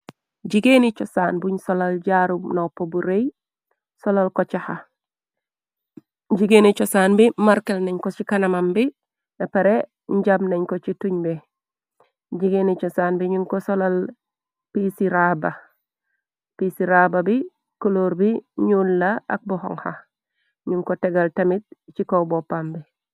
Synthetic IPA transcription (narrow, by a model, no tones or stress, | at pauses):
ɟiɡenit͡ʃosaːnbuɲsolalɟaɾumnopobuɾej | solalkot͡ʃaha | ɟiɡeːnit͡ʃosaːnbimaɾkelneɲkot͡ʃikanamambi | nepeɾe | ɲɟamneɲkot͡ʃituɲbe | ɟiɡenet͡ʃosaːnbiɲuŋkosolal | pisiɾaba | pisiɾababi | koloɾbiɲulːaa̰k̚buho̰ŋha̰ | ɲuŋkoteɡaltɐmit̚t͡ʃikowbopːambi